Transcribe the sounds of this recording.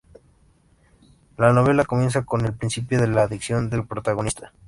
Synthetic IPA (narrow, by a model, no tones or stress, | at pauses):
lano̞βe̞lako̞mje̞ns̬ako̞ne̞lpɾinsipjo̞ðe̞laːðiksjo̞nd̪e̞lpɾo̞t̪aɣ̞o̞nist̪ʰḁ